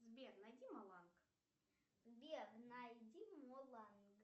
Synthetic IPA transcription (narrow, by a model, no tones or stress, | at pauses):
zbʲernɐjdʲimɐlˠanɡ | zbʲebnajdʲimolˠanɡ